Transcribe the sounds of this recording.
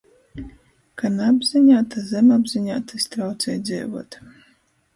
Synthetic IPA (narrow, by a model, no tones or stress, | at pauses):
kanabzʲɨɲʲat̪azɛmabzʲɨɲʲa̰t̪ːɨsʲt̪ɾawt̪sɛjd̪zʲɛ̰ːvṵɔt̪